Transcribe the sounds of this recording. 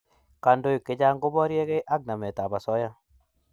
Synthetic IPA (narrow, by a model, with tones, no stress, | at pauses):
ka˨ndo˦i˨kɪ˦d͡ʒa˦ŋɡʊ˦bɔ˦ɾje˦ɡe˦ʔa˦ɡ̚na˨mɛ˨ta˨ba˨sɔ˦ja˦